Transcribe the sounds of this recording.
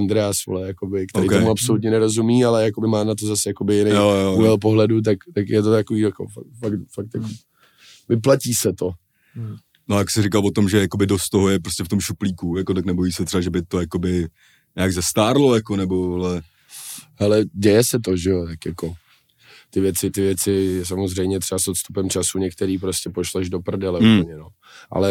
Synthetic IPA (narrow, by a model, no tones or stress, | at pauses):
nd̪ɾɛasvo̰lɛjako̞bɪkt̪oɛɾijkomuapso̞lut̪ɲɛnɛɾo̞zumiːalɛjakobɪmaːnat̪̬o̞zasɛjako̞bɪjɪnjjojouvɛlp̬o̞ɦlɛdut̪̬akt̪akjɛt̪ot̪akoviːjako̰fafakt̪fak̚t̪jako | vɪp̬laciːsɛt̪o̞ | nojaksɪrɪkalvot̪o̞mʒɛjakobɪdost̪t̪ːoɦojɛpɾoscʲɛft̪omʃupliːkujakot̪aknɛbojiːsɛt̪r̥ɛbaʒɛbɪt̪ojakobɪ | ɲaːɡzɛst̪aːɾlojakonɛbolɛ | hɛlɛɟɛjɛsɛt̪̬oʒɛjot̪akjako̞ | t̪ɪvjɛt͡sɪt̪ɪvjɛt͡sɪs̬amo̞zrɛjmɲɛt̪r̥ɛasot̪st̪upɛmt͡ʃasuɲɛkt̪ɛɾiːpɾoscʲɛpo̞ʃlɛʒdo̞pr̩dɪlɛup̩ɲɛno | ʔa̰lɛ